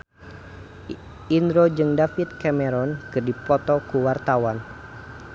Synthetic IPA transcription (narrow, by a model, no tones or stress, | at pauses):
indɾod͡ʒɨŋdafit̪̚kamɛɾɔnkɨrdipɔt̪ɔkuwart̪awan